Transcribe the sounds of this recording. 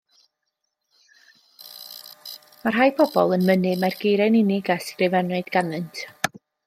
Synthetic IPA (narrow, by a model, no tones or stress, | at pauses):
marɦajpʰɔbɔ̰lˠənmənɨmarɡejɾɛnɪnɪɡɛskrɨvɛnʊɨd̥ɡ̥anɨntʰ